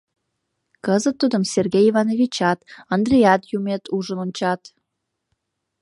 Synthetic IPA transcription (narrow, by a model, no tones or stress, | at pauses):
kəzət̪ːud̪əmserɣejivɑnovʲit͡ɕɑt̪ɑnd̪rʲejɑt̪jumet̪uʒənonʲt͡ɕɑt̪